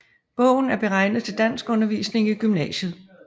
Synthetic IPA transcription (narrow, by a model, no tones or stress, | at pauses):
b̥ɔ̽ʊ̰n̩æɐb̥e̝ʁɑ̈ɪ̰nðˠt͡sʰe̝ld̥æn̰sɡ̥ɔ̽nɐʋiːsne̝ŋiɡ̥ymnɛːɕəð̞̩ˠ